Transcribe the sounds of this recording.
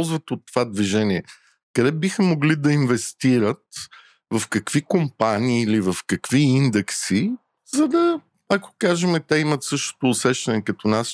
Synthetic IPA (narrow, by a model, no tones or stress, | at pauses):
lˠzvɐt̪ot̪ːovad̪viʒɛniɛ | kɐd̪ɛbixɐmoɡlid̪ɐinvɛst̪iɾət̪ | vɐfkɐkvikompaniːlivɐfkɐkv̥iind̪ɛksi | zɐd̪ɐ | ako̥kaʒɛmɛt̪ɛimɐt̪sɤʃt̪o̥t̪oːsɛʃt̪ɐnɛkɐt̪ɔnas